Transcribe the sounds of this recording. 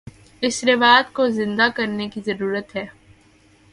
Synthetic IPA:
ɪsɾɪʋaːd̪kozɪ̃nd̪akɐɾnekizɐɾuːɾət̪ɦɛː

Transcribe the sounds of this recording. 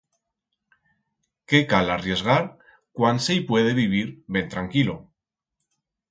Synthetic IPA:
ke̞kalarje̞zɣaɾ | kwansejpwe̞ðe̞βiβ̞iɾβe̞nt̪ɾaŋkilo

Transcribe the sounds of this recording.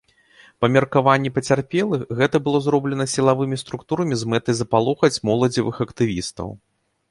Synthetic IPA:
pɐmʲɐrkavanʲːɛpɐt͡sʲarpʲɛlˠɨxɣɛt̪ɐbɨlˠɔzɾɔblʲɛnɐsʲilˠavɨmʲist̪ɾukt̪uɾɐmʲizmɛt̪ɐjzɐpalˠɔxɐt͡sʲmɔlˠɐd͡zʲivɨxɐkt̪ɨvʲist̪ɐ̰w

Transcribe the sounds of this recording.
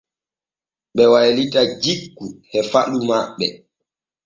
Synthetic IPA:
ɓɛwajlitad͡ʒiɡːuhɛfaɗumaɓːɛ̰

